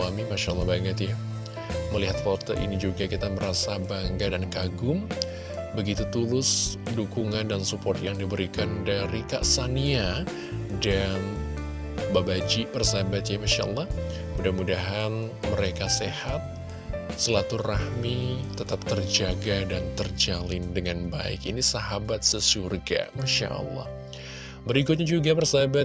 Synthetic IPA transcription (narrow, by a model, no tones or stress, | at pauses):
amimaʃalːɑhbaŋət̪ja | məliɦat̪̚kɔrt̪əʔḭnid͡ʒuɡakit̪aməɾasabaŋɡadankaɡʊm | bəɡit̪ut̪ulʊsdukuŋandansupɔrt̪jaŋdibəɾikandaɾikaʔsania | dan | babad͡ʒibərsaɦabat̪̚ɲamaʃaʔɑ̰lˠːɑh | mudahmudaɦanməɾekasehat̪̚ | səlat̪urahmit̪ət̪ap̚t̪ərd͡ʒaɡadant̪ərd͡ʒalɪndəŋanba̰ɪ̰kinisaɦabat̪̚səsurɡa̰maʃa̰ʔə̰lːɑ̰h | bəɾik̬ʊt̪̚ɲad͡ʒuɡabərsaɦaba